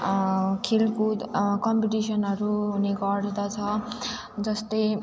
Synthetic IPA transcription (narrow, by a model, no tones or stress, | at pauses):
kʰelkokʌmpiʈisʌnʌɾuneɡʌɽd̪at͡sʰʌ | d͡zʌst̪ʌj